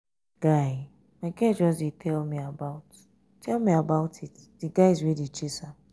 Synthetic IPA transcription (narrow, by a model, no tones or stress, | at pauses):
ɡ̥aɪ | makɛd͡ʒɔsditʰɛlmiabaʊt | tʰɛlmiabaʊtitdiɡaɪzwidit͡ʃisa